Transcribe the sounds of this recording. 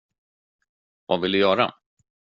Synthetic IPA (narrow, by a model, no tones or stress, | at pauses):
vavɪld̪ɵjœːɾa̰